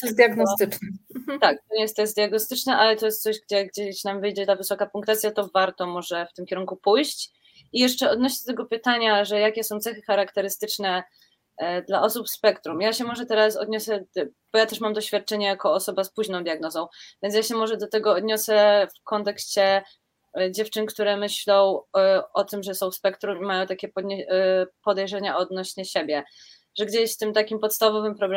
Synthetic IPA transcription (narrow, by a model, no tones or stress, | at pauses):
t̪sd̪ʲjaɡnɔt̪ɘt͡ʂnɛt̪ak̚t̪ɔɲɛjɛst̪ɔjɛst̪d̪jaɡnɔst̪ɘt͡ʂnɛʔalɛt̪ɔjɛst̪sɔʑɡd͡ʑɛɡd͡ʑɛɕnamvɘjd͡ʑɛt̪avɘsɔkapuŋkt̪at̪sʲjat̪ɔvaɾt̪ɔmɔʐɛft̪ɘmkʲɛɾuŋkupujɕt͡ɕ | ijɛʂt͡ʂɛɔd̪nɔɕɛd̪ɔt̪ɛɡɔpɘt̪aɲaʐɛjakʲɛsɔ̃w̃t̪sɛxɘxaɾakt̪ɛɾɘst̪ɘt͡ʂnɛ | d̪laʔɔsupspɛkt̪ɾumjaɕɛmɔʐɛt̪ɛɾasɔ̰d̪ɲɔsɛb̥ɔjat̪ɛʂmamd̪ɔɕfʲjat̪̚t͡ʂɛɲɛjakɔːsɔbaspuʑnɔ̃w̃d̪ʲjaɡnɔzɔ̃w̃vʲjɛnsjaɕɛmɔʐɛd̪ɔt̪ɛɡɔːd̪ɲɔsɛfkɔnt̪ɛkɕt͡ɕɛ | d͡ʑɛft͡ʂɘnkt̪uɾɛmɘɕlɔ̃w̃ɔt̪ɘmʐɛsɔ̃w̃spɛkt̪ɾumimajɔ̃w̃t̪akʲɛpɔ | pɔd̪ɛjʐɛɲaɔd̪nɔɕɲɛɕebʲjɛ | ʐɛɡd͡ʑeɕt̪ɘmt̪akʲimpɔt̪st̪avɔvɘmpɾɔb